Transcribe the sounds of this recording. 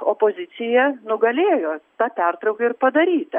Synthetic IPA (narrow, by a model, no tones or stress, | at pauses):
oːpoːzʲɪt̪sʲɪjɛnʊɡɐlʲeːjoːt̪ɑːpʲɛrt̪ɾɐʊkɐɪrpɐd̪ɐɾʲiːt̪ʲɐ